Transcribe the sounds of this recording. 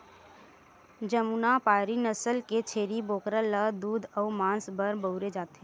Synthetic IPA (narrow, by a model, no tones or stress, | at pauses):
d͡ʒəmuːnapaːɾinəsəlket͡ʃʰeːɾiboːkɾələd̪uːd̪ʱɔːmãːnsbəɾbəʊɾed͡ʒaːt̪ɦẽ